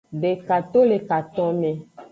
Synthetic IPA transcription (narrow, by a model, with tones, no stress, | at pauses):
ɖe˨ka˨t̪o˦le˨ka˨t̪ɔ̃˦nẽ˨